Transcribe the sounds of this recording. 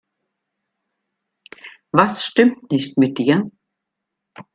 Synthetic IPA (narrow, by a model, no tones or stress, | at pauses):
vasːt̪ɪmt̪nɪçt̪mɪt̪̚diɐ